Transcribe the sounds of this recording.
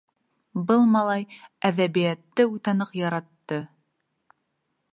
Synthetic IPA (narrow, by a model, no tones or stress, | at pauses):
bɤlˠmɑlˠɑjæðæβijæt̪ːɘut̪ɑnɤqjɑɾɑt̪ːɤ